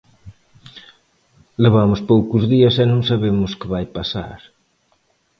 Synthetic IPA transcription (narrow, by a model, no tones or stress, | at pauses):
leβamʊspowkʊzðiɐsɛnõŋsaβemʊskɪβajpasa̰ɾ